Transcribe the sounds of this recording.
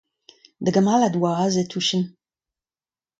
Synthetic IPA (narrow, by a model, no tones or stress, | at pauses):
d̪əɡamalad̪waazet̪ʰuʃən